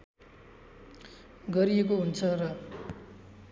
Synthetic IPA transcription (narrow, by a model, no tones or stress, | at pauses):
ɡʌɾiekoɦunt͡sʰʌrʌ